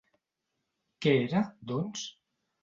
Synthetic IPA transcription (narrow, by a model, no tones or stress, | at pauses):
keeɾad̪ɔns